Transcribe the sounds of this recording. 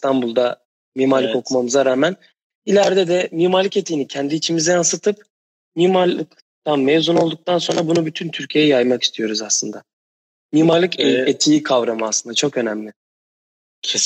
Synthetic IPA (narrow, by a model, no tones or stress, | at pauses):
st̪ʰanbulˠd̪a | mimaɾlʲˠko̞kʰumamɯzaɾaːmæn | ilʲæɾd̪ɛd̪ɛmimaɾlʲːˠɯket̪ʰijːnicʰɛnd̪iːt͡ʃʰimizɛjansɯt̪ʰɯp̚ | mimalʲˠɯk | t̪anmevzunolˠd̪uk̚t̪ʰanso̞nɾabunubyt̪ʰynt̪ʰyɾcʰijejɛjajmaki̥st̪ʰijo̞ɾuzaslˠɯnd̪a | mimaɾlʲˠɯket̪ʰijikʰavɾamɯaslˠɯnd̪at͡ʃʰo̞kø̞næmlʲɪ